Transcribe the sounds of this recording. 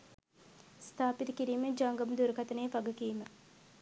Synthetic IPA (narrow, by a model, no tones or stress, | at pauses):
st̪ʰaːpit̪əkiɾiːməd͡ʒaːŋɡɐmd̪uɾəkɐt̪əneːʋaɡəkiːmə